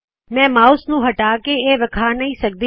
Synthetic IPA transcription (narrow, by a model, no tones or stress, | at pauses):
mɛ̃mausnũːɦəʈakeeʋəkʰanəĩsək̚d̪i